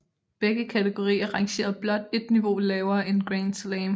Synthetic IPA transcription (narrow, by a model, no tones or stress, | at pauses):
b̥eɡ̥əkʰæt͡sʰeɡ̥o̝ʁḭːɐʁɑ̈ŋɕe̝̰ːɐðˠb̥lɒ̽d̥e̝d̥niʋo̝lɛːʊɐe̝nɡ̥ʁen̥slɛːm